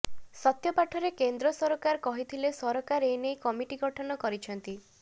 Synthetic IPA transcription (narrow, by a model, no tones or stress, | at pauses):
sɔt̪jɔpaʈʰɔɾekend̪ɾɔsɔɾɔkaɾkɔɦit̪ʰilesɔɾɔkaɾenejkɔmiʈiɡɔʈʰɔnɔkɔɾit͡ʃʰɔnt̪i